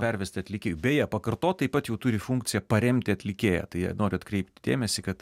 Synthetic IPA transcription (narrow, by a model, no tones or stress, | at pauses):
pʲɛɾʲʋʲɛsʲtʲɪɐt̪ʲlʲɪkʲeːjubʲɛːjɛpɐkɐrt̪oːt̪t̪ːɐɪpɐt̪jɛʊt̪ʊɾʲɪfuŋkt̪sʲɪjɛpɐɾʲɛmʲt̪ʲɪɐt̪ʲlʲɪkʲeːjɛ̰t̪ɐɪjɛ̰noːɾʲɪɐt̪kɾʲɛɪp̚ʲt̪ʲɪd̪ʲḛːmʲɛsʲɪkɐt̪